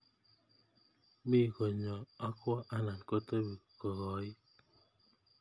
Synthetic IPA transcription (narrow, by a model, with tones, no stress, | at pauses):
mi˦˨ko˨ɲɔ˨ɔ˦kwɔ˦ʔa˦na˨n˨ko˦to˦bi˨kɔ˨ɣɔ˨i˦